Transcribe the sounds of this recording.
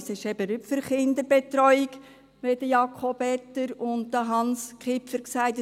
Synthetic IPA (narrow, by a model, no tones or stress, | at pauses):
sɪʃɛbəɾypfʏɾχɪndəɾb̥et̪ɾɔʏiɡ | ʋedəjɑkʰɔbɛtːəɾʊnt̚d̥̪ɑɦɑnskχɪpfəɾksæɪt